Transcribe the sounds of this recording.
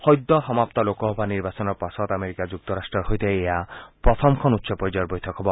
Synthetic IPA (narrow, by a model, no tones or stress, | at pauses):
hɔjd̪ːɔɦɔmapt̪ɔlokɔɦɔbʱaniɾbasɔnɔɾpasɔt̪ameɾikad͡ʒuk̚t̪ɔɾasʈɾɔɾɦojt̪eejapɾɔt̪ʰɔmkʰɔnut̪ʃʰɔpɔjd͡ʒɔɾbɔjt̪ʰɔkɦɔbɔ